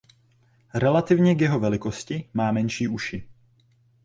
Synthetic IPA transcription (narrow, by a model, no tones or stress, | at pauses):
ɾɛlat̪ɪvɲɛɡjɛɦo̞vɛlɪko̞scɪmaːmɛnʃiːʔuʃɪ